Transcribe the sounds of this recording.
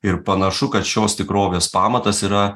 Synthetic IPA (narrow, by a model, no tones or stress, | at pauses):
ɪɾpɐnɐʃʊkɐt̪ʃʲoːst̪ʲɪkɾoːʋʲeːspɑːmɐt̪ɐsiːɾɐ